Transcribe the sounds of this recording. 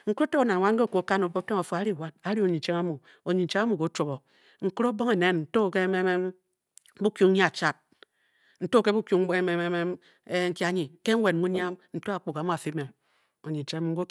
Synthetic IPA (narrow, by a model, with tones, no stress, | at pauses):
ŋ̩˦kɾo˦te˦o˨˦na˨n˨wa˦nŋ̩˦e˦˨ko˨˦ka˦no˨bo˦te˦o˨fo˨a˨˦ɾi˦˨wa˦d̚a˨˦ɾi˦o˨ɲi˨n˨t͡ʃe˦ŋa˦mu˨ | o˨ɲi˨n̩˨t͡ʃe˦a˦mu˨ko˨˦t͡ʃo˨bo˨ | ŋ̩˨ku˦ɾo˦bo˦ŋe˨ne˦nn̩˨to˦˨ke˦me˦me˦ | bu˦kju˦ŋ˦ɲi˦a˨t͡ʃa˦t̚ | n̩˨to˦ke˦bu˦kʲu˦ŋe˦me˦me˦me˦m | e˦ŋ̩˦ki˦a˦ɲi˨ke˦ŋ̩˦wʷe˨n˨mu˦ɲ˦a˦mn̩˨˦to˦a˨k͡pu˨ka˨mu˦a˨fi˦me˨m | o˨ɲi˨n̩˨t͡ʃe˦a˦mu˨ŋ̩˦ɡo˦